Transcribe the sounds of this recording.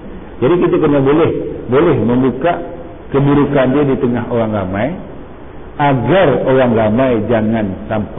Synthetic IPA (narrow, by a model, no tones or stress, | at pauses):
d͡ʒadikit̪akənabolɛhbolɛhməmbukaʔ | kəbuɾukandiadit̪əŋaɦoɾaŋɾamaj | aɡaroɾaŋlamajd͡ʒaŋansamp